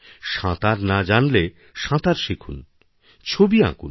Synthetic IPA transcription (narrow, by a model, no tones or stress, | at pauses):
ʃãt̪aɾnad͡ʑanle | ʃãt̪aɾʃikʰun | t͡ɕʰobiã̰kṵn